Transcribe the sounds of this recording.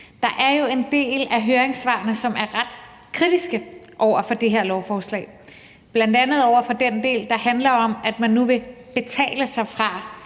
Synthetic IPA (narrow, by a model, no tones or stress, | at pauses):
d̥ɑ̈ʔæɐjo̝e̝nd̥e̝̰ːlæɦøːɐeŋsʋɑ̰̈ːnəsɒ̽mæɐʁɑd̥ | kʰʁid̥isɡ̥ə | ʔɒʊ̰ɐfɒ̽d̥e̝ɦe̝ɐ̰lɒʊfɒːslɛ̰ːɪ | b̥lænd̥ænð̩ˠɒʊ̰ɐfɒ̽d̥end̥e̝̰ːld̥ɑ̈hænlɐɒ̽mæd̥mænːuʋe̝b̥e̝t͡sʰɛ̰ːləsɑ̈ɪfʁɑ̈